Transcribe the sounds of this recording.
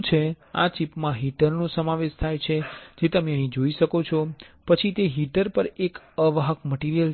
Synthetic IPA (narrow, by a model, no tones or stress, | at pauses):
t͡ʃʰe | a̰t͡ʃipmãɦiʈəɾnosəmaʋeʃt̪ʰajt͡ʃʰed͡ʒet̪əmeəɦĩd͡ʒoiʃəkot͡ʃʰɔpət͡ʃʰit̪eɦiʈəɾpəɾek | əʋaɦəkməʈiɾijəl